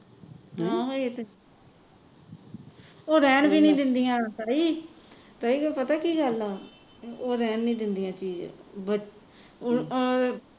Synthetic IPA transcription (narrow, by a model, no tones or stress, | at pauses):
ɦãːɦoit̪e | oːɾɛːnbiːnĩːd̪ɪnd̪ijãːt̪əɾiː | t̪aiːkːpət̪aːkiːɡəlaː | oːɾɛːnːĩːd̪ɪnd̪ijãːt͡ʃiːd͡ʒ̰bə